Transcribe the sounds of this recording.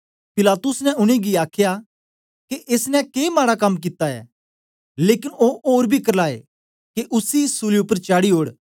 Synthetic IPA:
pɪlaːt̪ʊsnɛ̃ʊɽ̃iɡiaːkʰja | keʔeːsnɛ̃keːmaːɽakɐmːk̬ɪt̪aɛ̰ː | leːkɪnoːoːɾbʱikɐɾlaːḛ | keʔʊsisuliʊpːəɾt͡ʃaːɽiɦoːɽ

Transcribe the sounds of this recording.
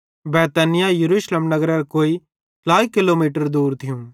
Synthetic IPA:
bɛːt̪ɛnɪjajɐɾuːʃlemnɐɡɾɛɾkoːi | laːikɪlomiːʈəɾd̪uːɾt̪ʰɪjũː

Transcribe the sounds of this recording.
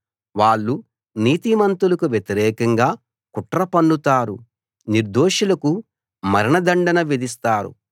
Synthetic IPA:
ʋaːɭːu | niːt̪imɐnt̪ulɐkuʋjet̪iɾɛːkɐŋɡaː | kuʈɾɐpɐɳɖut̪aːɾu | niɾd̪oːʃulɐku | mɐɾɐɳɐd̪ɐɳɖɐnɐʋid̪ist̪aːɾṵ

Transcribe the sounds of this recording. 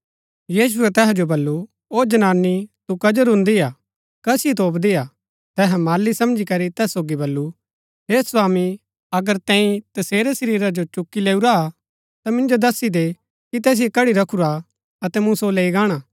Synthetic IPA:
jiːʃ̬uɛt̪ɛːɦd͡ʒobɐlːu | oːd͡ʒɐnaːnːit̪ukɐd͡ʒəɾɦʊ̃nd̪ia | kɐsiit̪oːpd̪ijaː | t̪ɛːɦɛ̃maːlːisɐ̃md͡ʒikɐɾit̪ɛːsːoːɡibɐlːu | ɦeːswaːmi | ɐɡəɾt̪ɛ̃ːĩt̪ɐseːɾɛsɐɾiːɾad͡ʒot͡ʃʊkːileːuɾa | t̪amɪ̃nd͡ʒod̪ɐsid̪e | kit̪ɛːs̬ɪjekɐɽiɾɐkʰuɾa | ɐt̪ɛmũsoleːiɡaːɽ̃aː

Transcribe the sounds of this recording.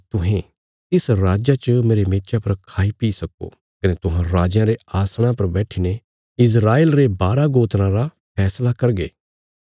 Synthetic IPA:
t̪ʊɦẽ | t̪ɪsɾaːd͡ʒat͡ʃəmeːɾemeːtt͡ʃapɐɾkʰaːipiːsɐko̰ | kɐnet̪ʊɦãɾaːd͡ʒjãɾeaːsɽ̃ãpɐɾbɛːʈʰiːne | ɪs̬ɾaːeːlɾebaːɾaɡoːt̪nãɾa | pʰɛːslakɐɾɡeː

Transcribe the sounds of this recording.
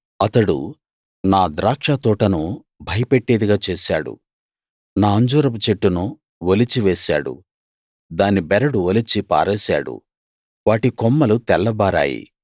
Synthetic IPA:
ɐt̪ɐɽṵ | naːd̪ɾaːkʂat̪ɔːʈɐnu | bʱɐjɐpeʈːeːd̪iɡaːt͡ʃeːsaːɽṵ | naːɐɲd͡ʒuːɾɐput͡ʃeʈːunu | ʋolit͡ʃiʋɛːsa̰ːɽṵ | d̪aːnibɛɾɐɽuʋolit͡ʃipa̰ːɾɛːsa̰ːɽṵ | ʋaːʈikɔmːɐlut̪ɛɭːɐbaːɾa̰ːjḭ

